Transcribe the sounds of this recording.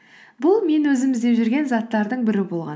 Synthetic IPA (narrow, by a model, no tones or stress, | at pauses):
bʊlˠme̞nwɵzɪmɪzd̪e̞pʒɪɾɡʲe̞nzɑt̪ːɑɾd̪əɴbɪɾɪbo̞lˠʁɑ̰n